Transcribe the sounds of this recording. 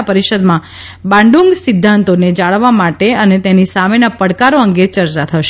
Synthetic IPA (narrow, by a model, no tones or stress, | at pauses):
pəɾiʃəd̪mã | bãɳɖuŋɡsɪd̪ʱːant̪oned͡ʒaɭəʋːamaʈeənet̪enisamenapəɽkaɾoəŋɡet͡ʃəɾt͡ʃat̪ʰəʃe